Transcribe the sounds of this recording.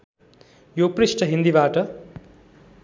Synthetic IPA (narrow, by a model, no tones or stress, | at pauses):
joprisʈʌɦind̪ibaːʈʌ